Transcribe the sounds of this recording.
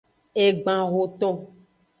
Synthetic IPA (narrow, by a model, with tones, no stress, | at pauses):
e˨ɡ͡bã˨ɣo˨t̪ɔ̃˦